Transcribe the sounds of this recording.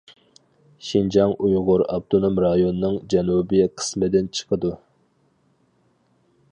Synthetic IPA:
ʃind͡ʒɑŋujʁʊɾɑ̰b̚d̪onomɾɑjonɨnɨŋd͡ʒɛnubɨqʰə̥smɨd̪ɪnt͡ʃʰə̥qʰəd̪u

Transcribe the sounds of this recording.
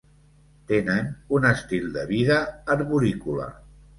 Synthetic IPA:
t̪enənunəst̪ilˠd̪əβiðəːɾβuɾikulə̰

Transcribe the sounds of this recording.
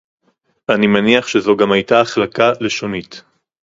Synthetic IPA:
animaniaχʃezo̞ɡamajtaːχlakale̞ʃo̞nit

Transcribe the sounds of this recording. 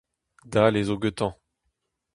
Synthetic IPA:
d̪alezoɡøt̪ɑ̃

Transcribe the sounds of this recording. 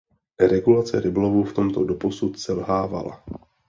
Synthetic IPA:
ɾɛɡulat͡sɛɾɪblovuft̪o̞mt̪o̞do̞po̞sut̪sɛlɦaːva̰la̰

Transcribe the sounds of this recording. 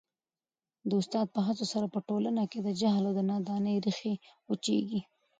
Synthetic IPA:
d̪əʊst̪ɑd̪̚pəɦat͡sosaɾapəʈolanaked̪əd͡ʒaɦlawd̪ənɑd̪ɑnəjɾixeut͡ʃḛɡi

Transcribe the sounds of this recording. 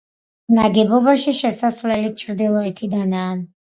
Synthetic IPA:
naɡɛbɔbaʃiʃɛsaslɛlit̪̚t͡ʃʰɾd̪ilˠɔit̪ʰid̪anaː

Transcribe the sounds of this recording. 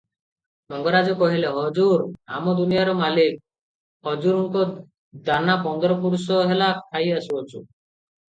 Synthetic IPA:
mɔŋɡɔɾad͡ʒɔkɔɦileɦɔd͡ʒuɾa̰mɔd̪unijaɾɔmalik̚ | hɔd͡ʒuɾuŋkɔ | d̪anapɔnd̪ɔɾɔpuɾusɔɦelakʰajasuɔt͡ʃʰṵ

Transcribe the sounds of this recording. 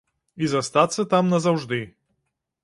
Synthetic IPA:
izɐst̪at̪sːɐt̪amnɐzɐwʐd̪ɨ

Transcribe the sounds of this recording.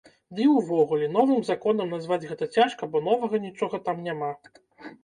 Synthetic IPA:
d̪ɨwvɔɣulʲɛn̪ɔvɨmzakɔn̪ɐmnazvad͡zʲɣɛt̪ɐt͡sʲaʂkɐbɔn̪ɔvɐɣɐnʲit͡ʂɔɣɐt̪amnʲama

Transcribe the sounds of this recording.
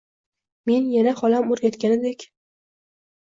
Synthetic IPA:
me̞njanaχɒlamoɾɡʲat̪kʲanɪd̪ekʲ

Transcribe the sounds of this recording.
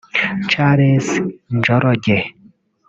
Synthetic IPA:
t͡ʃaɾesnd͡ʒɔɾɔɟe

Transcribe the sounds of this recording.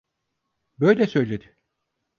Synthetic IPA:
bø̞jlʲɛsø̞jlʲed̪ɪ

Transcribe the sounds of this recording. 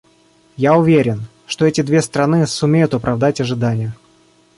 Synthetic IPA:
jaʊvʲeɾʲɪn | ʂt̪o̞ɛtʲɪd̪vʲe̞st̪ɾɐnɨsʊmʲejʊt̪ʊpɾʔɐvd̪atʲɐʐɨd̪anʲɪjə

